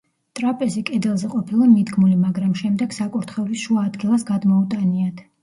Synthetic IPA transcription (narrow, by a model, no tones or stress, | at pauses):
t̪ʼɾapʼɛsikʼɛd̪ɛlˠzɛqʼɔpʰilˠamid̪ɡmulimaɡɾamʃɛmd̪ɛɡ̥sakʼuɾt̪ʰχɛlisʃuaːd̪ɡilˠasɡad̪mɔut̪ʼaniat̪ʰ